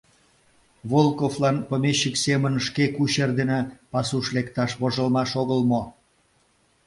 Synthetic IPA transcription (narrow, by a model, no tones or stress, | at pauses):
βolkoflɑnpəmeɕːəksemənʃkekuɕerd̪enepɑsuʃlekt̪ɑʃβoʒəlmɑʃoɣəlmo